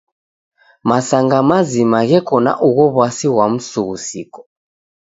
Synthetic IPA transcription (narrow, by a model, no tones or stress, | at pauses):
masaŋɡamazimaɣɛkɔna̰ʔuɣɔβwasiwam̩suɣusḭkɔ̥